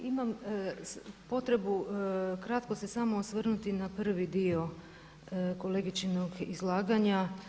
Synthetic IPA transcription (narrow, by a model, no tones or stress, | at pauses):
imam | po̞t̪ɾe̞bukɾat̪ko̞se̞samosʋr̩nut̪inapr̩ʋid̪io̞ | ko̞leɡit͡ʃinoɡizlˠaːɡaɲa